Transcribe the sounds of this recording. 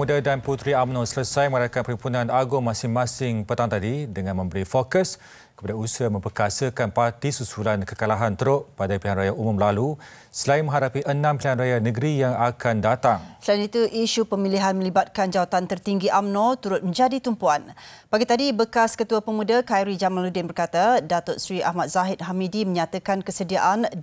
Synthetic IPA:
mudadanput̪ɾiamnɔsələsajməŋɾakanpəɾimpunãnaɡʊŋmːasɪŋmãsɪŋpət̪aŋt̪adidəŋãnmə̃mbəɾifokəs | kə̥padausiəmə̃mpərkasəkanpart̪isusulankəkalaɦant̪əɾʊʔpadapiɦanrajaʔumũmlalu | səlaɪnmə̃ɦaɾapiʔənãmpilihanrajanəɡəɾijaŋakandat̪aŋsəlainit̪uʔiʃupəmiliɦanmə̃libat̪̚kand͡ʒawat̪ant̪ərt̪iŋɡiʔamnɔ̃t̪uɾʊt̪̚mə̃ɲd͡ʒadit̪umpuan | baɡit̪adibəkaskət̪uapəmũdakajɾid͡ʒamãnludɪnbərkat̪adat̪ʊtsɾiahmat̪̚z̥aɦɪt̪̚ɦamidimə̃ɲat̪akankəsədiaʔan

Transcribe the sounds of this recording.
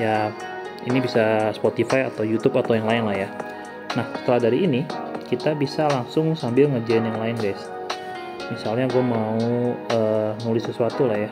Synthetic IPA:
ja | inibisaspot̪ifajat̪awjut̪upat̪awjaŋlaɪnlahja | nahsə̥t̪əlahdaɾiːnikit̪abisalaŋsʊŋsambɪlŋəd͡ʒaɪnjaŋlaɪnɡajs | misalɲaɡuamauəːnulɪsːəsuat̪ulahja

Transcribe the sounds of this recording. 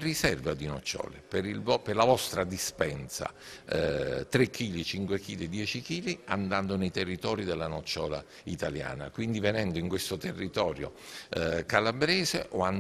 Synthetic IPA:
risɛrvad̪inɔt͡ʃːɔ̰ːlḛpeɾilvɔperlavɔst̪ɾad̪ispɛnsa̰ | t̪ɾekʰːiːlit͡ʃiŋkwek̟iːlid̪jɛːt͡ʃik̟iːlia̰nd̪and̪onejt̪erːit̪ɔːɾid̪elːanɔt͡ʃːɔːla̰ | it̪alja̰ːna̰kwind̪ivenɛnd̪oiŋkwest̪ot̪erːit̪ɔːɾjo̰ | kalabɾɛːzeʔoan

